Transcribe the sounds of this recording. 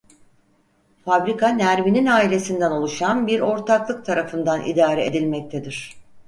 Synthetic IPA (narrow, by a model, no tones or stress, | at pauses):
fabɾikʰanæɾmininaːilʲe̞sind̪æno̞lˠuʃanbiɾo̞ɾt̪ʰaklˠɯk̚t̪ʰaɾafɯnd̪anʔḭd̪aːɾɛed̪ilʲmɛc̚t̪ʰed̪iɾ̥